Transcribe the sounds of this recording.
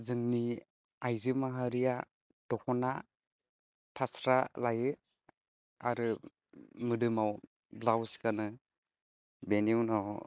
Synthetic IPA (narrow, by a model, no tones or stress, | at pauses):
zɯŋni | ajzɯmaɦaɾija | d̥ɔkʰɔna | pʰasɾalajɯ | aɾɯ | mɯdɯmaw | blawskanɯ | beniwnɔw